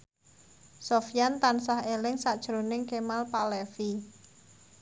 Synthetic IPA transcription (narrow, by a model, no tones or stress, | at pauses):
sofjant̪ansahelɪŋsad̥ʒ̥ɾonɪŋkemalpalefi